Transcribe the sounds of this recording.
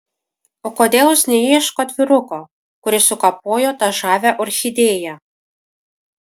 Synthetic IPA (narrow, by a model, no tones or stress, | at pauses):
oːkod̪ʲeːlˠʊsnʲɛjiɛʃkot̪ʲʋʲɪɾʊko | kʊɾʲɪsʊkɐp̚oːjoːt̪ɐʒɑːʋʲæʔʊɾʲxʲɪd̪ʲeːjæ